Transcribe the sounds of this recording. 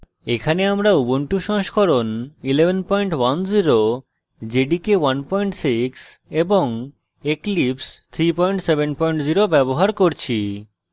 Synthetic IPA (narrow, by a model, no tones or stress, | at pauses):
ekʰaneamɾauboɳʈuʃɔ̃ŋʃkʰoɾonilebʱenpɔjɳʈwand͡ʑiɾo | d͡ʑeɖikewanpɔjɳʈsikseboŋ | eklipst̪ʰɾipɔjɳʈsebenpɔjɳʈd͡ʑiɾobɛboɦaɾkoɾt͡ɕʰi